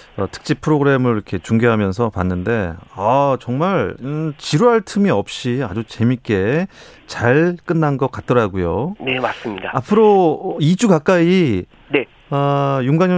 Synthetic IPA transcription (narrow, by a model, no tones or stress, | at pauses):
ʌtʰɯ̥k̚t͡ɕ͈ipʰɯɾoɡɯɾe̞mɯɭiɾʌkʰe̞t͡ɕuŋɡeɦamjʌnsʰʌpanːɯnde̞at͡ɕʌŋmaɭt͡ɕiɾuɦaɭtʰɯmiʌp̚ɕ͈iad͡ʑut͡ɕe̞mik͈e̞ | t͡ɕaɭk͈ɯnːanɡʌk͈at̚t͈ʌɾaɡujone̞mas͈ɯmɲidaapʰɯɾoid͡ʑukak͈ai | ne | ʌjuŋɡaɲ